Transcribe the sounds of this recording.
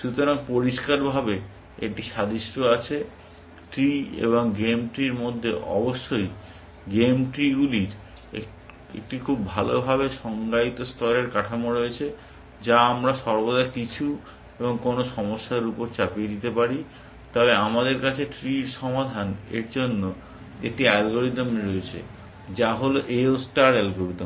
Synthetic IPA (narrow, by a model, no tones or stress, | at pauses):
ʃut̪oɾaŋpoɾiʃkaɾbʱabe | ek̚ʈiʃad̪iʃʈʰoat͡ɕʰe | ʈɾiḛβoŋɡemʈɾiɾmod̪ʱːeʔɔ̰boʃːoj | ɡemʈɾiɡuliɾ | e | ḛk̚ʈikʰubːʱalobʱabeʃɔŋɡait̪ost̪ʰɔleɾkaʈʰamoɾoet͡ɕʰe | d͡ʑaamɾaʃɔɾbod̪akit͡ɕʰu | eboŋkonoʃɔmoʃːaɾupoɾt͡ɕaped̪it̪epaɾi | t̪ɔbeamad̪eɾkat͡ɕʰeʈɾiɾʃɔmad̪ʱanḛɾd͡ʑonːo | ḛk̚ʈiɛlɡoɾit̪mɾoet͡ɕʰḛ | d͡ʑaɦoloʔeosʈaɾɛlɡoɾit̪m